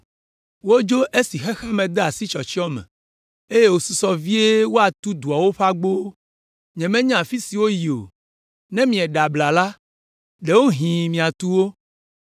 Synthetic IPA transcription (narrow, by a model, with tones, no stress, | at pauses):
wo˦d͡ʒo˦ʔe˦si˨xɛ˦xa˦mɛ̃˨d̪e˦a˨si˦t͡ʃɔ˨t͡ɕi˦ɔ˦mɛ̰̃˨ | e˦je˦wo˨su˦˨sɔ˨vi˦e˦wo˦a˨t̪u˦d̪u˨a˨wo˦ɸa˦ɡ͡bo˦ | ɲɛ̃˨mɛ̃˦ɲã˦˨a˨fi˦si˨wo˦ji˨o̰˨ | nɛ̃˦mĩ˨ɛ˨ɖa˨bla˨la˦ | ɖe˨wo˦ɦĩ˨mĩ˨a˨t̪u˦wo˦